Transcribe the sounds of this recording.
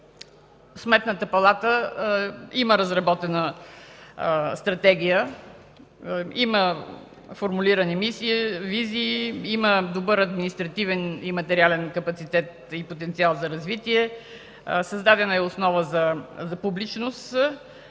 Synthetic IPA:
smɛt̪nət̪əpɐlˠat̪ə | iməɾəzɾɐbɔt̪ɛnə | st̪ɾɐt̪ɛɡʲijə | imə | foɾmuliɾɐnimisiːviziːiməd̪obəɾɐd̪minist̪ɾɐt̪ivɛnimɐt̪ɛɾialɛnkɐpɐt̪sit̪ɛt̪ | ipot̪ɛnt̪sialˠzɐɾɐzvit̪iɛ | sɐzd̪ad̪ɛnəɛʊsnɔvəzɐzɐpublit͡ʃnʊst̪

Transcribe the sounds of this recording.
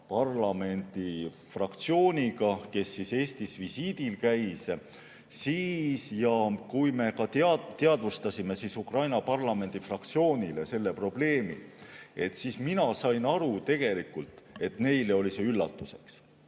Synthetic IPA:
pɑrlɑme̞nʲd̪̥ifrɑkt̪sio̞ːnʲiɡɑke̞sːise̞ːsʲt̪isvisiːd̪̥ilkæjs | siːsjɑkujme̞kɑt̪eɑt̪eɑd̪vust̪ɑsime̞sisukrɑjnɑpɑrlɑme̞nd̪̥ifrɑk̚t̪sio̞ːnʲilese̞lːe̞pro̞b̥le̞ːmḭe̞t̪ːsiːsminɑsɑjnɑɾut̪e̞ɡ̥e̞likult̪ˑe̞t̪ne̞jle̞o̞liseylːɑ̰t̪ːˑuse̞̥̰ks

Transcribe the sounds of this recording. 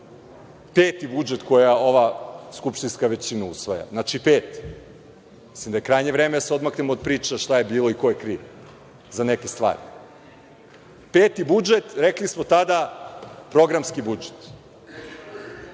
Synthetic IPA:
peːt̪ibud͡ʒet̪ko̞jao̞ʋaskupʃt̪inskaʋe̞t͡ɕinausʋaja̰znat͡ʃipeːt̪ | mislimd̪ajekɾajɲeʋɾeːmed̪aseo̞d̪maknemod̪̚pɾiːt͡ʃaʃt̪aje̞biːloiko̞jekɾiːʋ | zane̞kest̪ʋa̰ːɾi | peːt̪ibud͡ʒet̪ɾeklismo̞t̪ad̪apɾo̞ɡɾamskibud͡ʒe̥t̪

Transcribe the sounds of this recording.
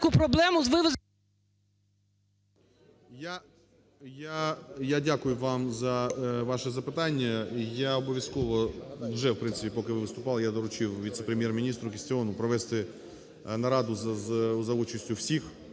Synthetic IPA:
kupɾɔblˠɛmʊzʋɪʋɪ | ja | jajadʲakʊjʊʋɑmzɐʋɑʃɛzɐpɪt̪anʲːɐjaɔbɔʋʲjɐskɔʋɔʋʒɛwpɾɪnsɪpʲipɔkɪʋɪʋɪst̪ʊpɑlˠjad̪ɔɾʊt͡ʃɪwʋʲit̪sɛpɾʲemʲjɛrmʲɪnʲist̪ɾʊkʲɪsʲtʲɪɔnʊpɾɔʋɛst̪ɪ | nɐɾɑd̪ʊzɐzɐut͡ʃɐsʲtʲʊwsʲix

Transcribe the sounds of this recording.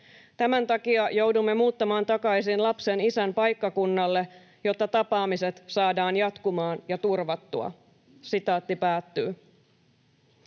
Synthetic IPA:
t̪æmænt̪ɑkiɑjowdumːe̞muːt̪ːɑmɑːnt̪ɑkɑjsinlɑpsenisænpɑjkːɑkunːɑlːe̞ | jo̞t̪ːɑt̪ɑpɑːmiset̪sɑːdɑːnjɑt̪kumɑːnjɑt̪urʋɑt̪ːuɑ̰ | sit̪ɑːt̪ːipæːt̪ːyː

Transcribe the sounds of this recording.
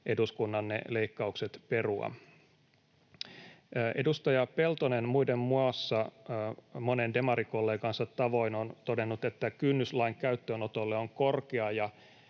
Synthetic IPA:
ʔe̞duskunːɑnːḛle̞ikːɑukset̪pe̞ruɑ̰ | ʔe̞dust̪ɑjɑpe̞lt̪onenmuidemmuɑsːɑ | mo̞nende̞mɑɾiko̞lːeːŋkɑnsɑt̪ːɑʋo̞inont̪o̞de̞nːut̪e̞t̪ːækynːyslɑiŋkæyt̪ːøːnot̪olːeoŋko̞rkeɑjɑ

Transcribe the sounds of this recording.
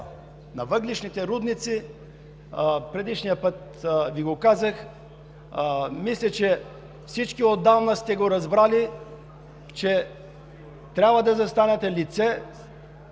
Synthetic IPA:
nɐvəɡliʃnit̪ɛɾud̪nit̪si | pɾɛd̪iʃnijəpɤt̪ | viɡokazəx | mislʲɛt͡ʃɛ | fsit͡ʃkiod̪ːavnəst̪ɛɡoɾɐzbɾali | t͡ʃɛ | t̪ɾʲabvɐd̪ɐzɐst̪anɛt̪ɛlit̪sɛ

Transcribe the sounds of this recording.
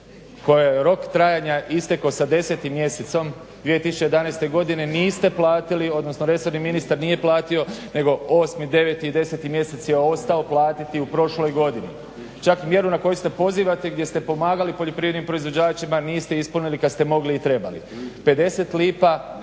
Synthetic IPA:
ko̞jeɾo̞kt̪ɾajaɲaʔist̪e̞kasad̪e̞se̞t̪imːje̞set̪so̞m | d̪iet̪isut͡ʃe̞jed̪anajst̪e̞ɡo̞d̪ine̞niːst̪e̞plˠaːt̪ilio̞d̪no̞snoɾe̞so̞ɾniminist̪aɾnije̞plˠaːt̪io̞ne̞ɡo̞o̞ːsmid̪e̞ʋet̪iid̪e̞se̞t̪imje̞se̞t̪sje̞o̞st̪ao̞plˠaːt̪it̪iupɾo̞ʃlo̞jɡo̞d̪inḭ | t͡ʃakimje̞ɾunako̞just̪e̞po̞ziːʋat̪eɡd̪je̞st̪e̞po̞maːɡalipo̞ʎo̞pɾiːjed̪nimpɾo̞izʋo̞d͡ʑaːt͡ʃimaniːst̪e̞ispunilikad̪st̪e̞mo̞ɡliːt̪ɾe̞ba̰lḭ | pe̞d̪e̞se̞t̪liːpa

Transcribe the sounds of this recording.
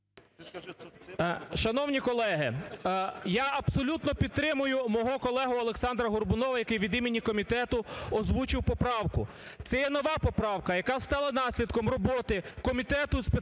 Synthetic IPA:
ʃɐnɔwnʲikɔlˠɛɦɪ | jaɐbsɔlʲut̪nɔpʲid̪t̪̚t̪ɾɪmʊjʊmɔɦɔkɔlˠɛɦʊɐlˠeksɑnd̪ɾɐɦʊrbʊnɔʋɐjɐkɪjʋʲid̪imʲinʲikɔmʲit̪ɛt̪ʊɔzʋut͡ʃɪwpɔpɾɑwkʊ | t̪sɛjɛnɔʋɑpɔpɾɑwkɐjɐkɑst̪ɑlˠɐnɑsʲlʲid̪kɔmrɔbɔt̪ɪkɔmʲit̪ɛt̪ʊspe

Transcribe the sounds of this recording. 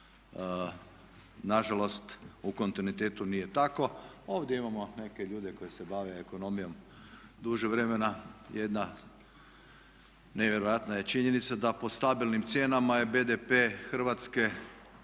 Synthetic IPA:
naʒalo̞st̪uko̞nt̪inuit̪eːt̪unije̞t̪ako̞o̞ːʋd̪jeimamo̞ne̞ke̞ʎuːd̪e̞ko̞jese̞baʋeeko̞no̞mijo̞m | d̪uʒeʋɾe̞menajed̪na | neʋjeɾojat̪naje̞t͡ʃiɲenit̪sad̪apo̞st̪abilnimt̪sʲje̞ːnamaje̞be̞d̪epeːxr̩ʋat̪ske̞

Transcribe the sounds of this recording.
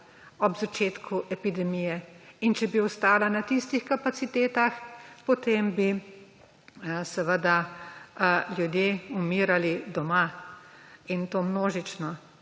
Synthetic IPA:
ɔbzat͡ʃeːt̪kʰuʔɛpid̪ɛmijɛint͡ʃɛbiɔst̪aːlanat̪ist̪ixkapat̪sit̪eːt̪axpɔt̪eːmbi | sɛʋəd̪a | ljud̪jeumiːɾalid̪ɔma | int̪oːmnoːʒit͡ʃnɔ

